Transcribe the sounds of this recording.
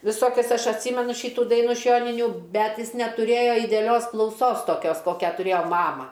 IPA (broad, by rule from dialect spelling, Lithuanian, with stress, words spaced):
ʋʲɪˈsoːkʲɛs ˈɐʃ ɐtʲˈsʲiːmʲɛnʊ ˈʃʲɪtuː ˈdɐɪnuː ɪʃ ˈjoːnʲɪnʲuː ˈbʲɛt ˈjɪs nʲɛtʊˈrʲeːjɛ ɪdʲɛɐˈlʲoːs klˠɐʊˈsoːs toːˈkʲoːs ˈkoːkʲɛ tʊˈrʲeːjoː ˈmɑːmɐ